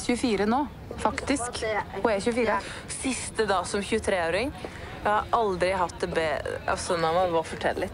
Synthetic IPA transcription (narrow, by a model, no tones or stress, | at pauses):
çʉəfiːɾənoː | fɑkt̪ɪskhʊɛçʉːəfiːɾə | sɪst̪əd̪ɑːsɔmçʉːət̪ʰɾeːoːɾɪŋ | jæhɑɾɑld̪ɾɪɦɑt̪̚d̪ɛbḛːɑ̰sɔnɔʋɑʋɑɾfɔʈʰɛ̰lə̰lɪt̪ː